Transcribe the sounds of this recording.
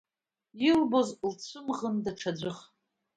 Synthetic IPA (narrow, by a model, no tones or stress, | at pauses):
ilbozlt͡ɕʷʰɨmʁəndaʈ͡ʂʰad͡ʑʷɨχ